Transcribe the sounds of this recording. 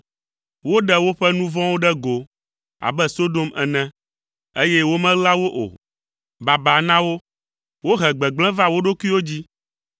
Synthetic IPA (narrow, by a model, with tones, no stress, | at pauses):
wo˦ɖɛ˦wo˦ɸɛ˦nũ˦vɔ̃˦wo˦ɖɛ˦ɡo˨ | a̰˨bɛ˦so˦d̪o˦mɛ˨nɛ̃˦ | e˦jɛ˦wo˦mɛ̃˦la˦wo˦ʔo̰˨ | ba˨ba˨nã˦wo˦ | wo˦ɦɛ˨ɡ͡bɛ˨ɡ͡blɛ̃˦va˦wo˦ɖo˦kʷi˦wo˦d͡ʑi˦